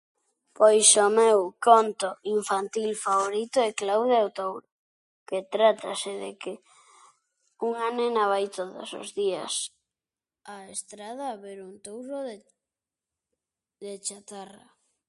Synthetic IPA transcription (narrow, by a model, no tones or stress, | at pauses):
pojsomewkont̪oiɱfant̪ilfaβoɾit̪oɛklawðeawt̪owɾʊ | ket̪ɾat̪aseðeke | uŋanenaβajt̪oðʊ̰so̰zðiɐ̰s | aest̪ɾaðaːβeɾunt̪owɾoð | ðet͡ʃat̪ara